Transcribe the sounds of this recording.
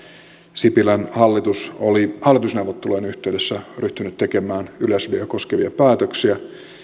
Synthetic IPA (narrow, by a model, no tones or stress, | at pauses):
sipilænhɑlːit̪usolihɑlːˑit̪usne̞uwʋot̪ːelojenyht̪eyɥde̞sːæryht̪ynyt̪t̪eke̞mæːnylæsyliæko̞skeʋiɑpæːt̪øksiæ